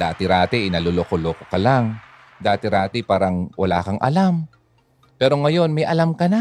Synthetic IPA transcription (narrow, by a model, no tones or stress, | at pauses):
d̪aːt̪ɪɾaːt̪ɛʔɪnɐloloːkoloːkokɐlaŋ | d̪aːt̪ɪɾaːt̪ɪpaːɾɐŋwʔɐ̰la̰ːkɐŋʔɐ̰lam | pɛːɾo̞ŋɐjo̞nmɐjʔɐlamkɐna